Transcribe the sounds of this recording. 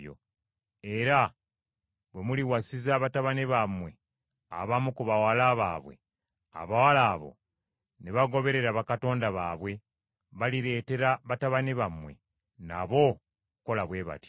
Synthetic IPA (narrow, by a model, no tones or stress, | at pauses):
jo̰ | e̞ɾa | βwe̞muliwasizaβataβaneβamwe̞ | a̰βamukuβawalaːβaːβwe̞̰ | a̰βawalaːβo̞̰ | neβaɡo̞βe̞ɾe̞ɾaβakato̞ːndaβaːβwe̞ | βaliɾe̞ːte̞ɾaβataβaneβamwe̞̰ | na̰βo̞ | uko̞laβwe̞ːβa̰ti̥